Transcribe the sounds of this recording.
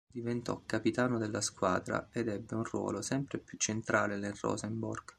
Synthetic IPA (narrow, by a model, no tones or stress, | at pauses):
d̪ivent̪ɔ̰kːapit̪aːnod̪elːaskwa̰ːd̪ɾa̰ed̪ɛbːeunrwɔ̰ːlosɛmpɾepjut͡ʃːent̪ɾaːlenelrɔ̰zɛmbɔrɡ̥